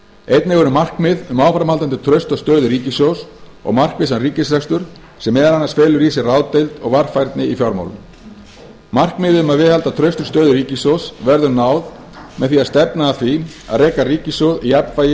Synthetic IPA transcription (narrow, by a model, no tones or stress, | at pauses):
ejt̪nɪɣɔɾʏmar̥kmɪðʏmaːwfɾamhalt̪ant̪ɪt̪ʰɾœɥst̪ast̪œːðʏriːcɪsowsɔ̰ɣmar̥kvɪs̬anriːcɪsɾɛkst̪ʏɾ̥ | sɛmːɛðaɾanːasfɛːlʏɾiːsɪraːwt̪ejlt̪ɔɣvar̥fajɾt̪nɪifjɔɾma̰wlʏ̰m | mar̥kmɪðɪðʏmaðvɪðhalt̪at̪ʰɾœɥst̪ʏ̥st̪œːðʏɾiːcɪsowsvɛɾðʏɾnaːwð | mɛðθfiaðst̪ɛpnaːθia̰ðrejkariːcɪsowðiɛpvaːjɪ